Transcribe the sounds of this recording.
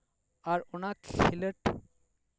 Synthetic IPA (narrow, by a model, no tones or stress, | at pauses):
aɾonakiləʈ